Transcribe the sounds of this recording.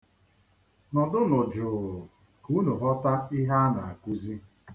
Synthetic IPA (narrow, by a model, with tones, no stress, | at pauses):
nɔ˨dʊ˦nʊ˨d͡ʒʊ˨ | ku˦nu˨ɦɔ˦ta˦ɪ˦ɦa˦na˨a˨ku˦zi˦